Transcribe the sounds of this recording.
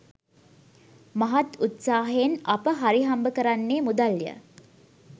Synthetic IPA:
maɦat̪ut̪saːɦeenapəɦaɾiɦambəkəɾanːeːmud̪aljə̰

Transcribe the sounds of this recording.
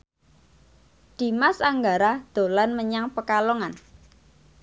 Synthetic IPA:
d̪̥i̤masaŋɡaɾad̪̥o̤lanməɲaŋpəkaloŋan

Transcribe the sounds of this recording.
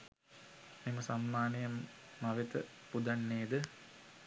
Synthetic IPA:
meməsanmaːnijɐmːɐʋit̪əpud̪ɐɳːeːd̪ə

